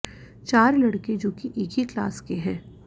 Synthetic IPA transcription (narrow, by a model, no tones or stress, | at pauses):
t͡ʃaːɾlɐɽked͡ʒoːkiʔeːkɦikla̰ːskeɦɛː